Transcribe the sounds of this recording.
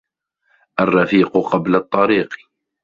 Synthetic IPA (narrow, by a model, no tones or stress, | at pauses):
ʔarˤːɑfiːqʊqɑblat̪ˤːɑɾiːq